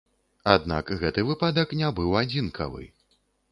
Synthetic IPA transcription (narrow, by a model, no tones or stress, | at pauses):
ad̪na̰kɣɛt̪ɨvɨpad̪ɐknʲabɨwad͡zʲinkʰɐ̰vɨ̰